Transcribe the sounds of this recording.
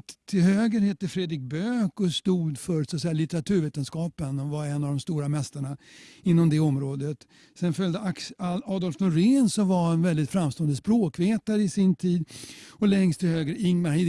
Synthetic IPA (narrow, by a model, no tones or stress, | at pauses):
t̪ʰːɪlhøːɡəɾhɛt̪ːəfɾeːd̪ɾɪk̚bøːkɔst̪uːd̪fœɾsat̪sɛjːalɪt̪əɾat̪ʰʉːɾveːt̪ənskɑːpənɔvaɾɛnːavd̪ɔmst̪uːɾamɛst̪aɳaɪnːɔmd̪ɛɔmɾoːd̪ət̪ | sɛnfœld̪əʔaksɑːd̪ɔlfnʊɾeːnsɔmvahɛnvɛld̪ɪt̪fɾamːst̪oːənd̪əspɾoːkveːt̪aɾəɪsɪnt̪ʰiːd̪ɔlɛŋst̪ʰɪlhøːɡəɾɪŋːmaɾhi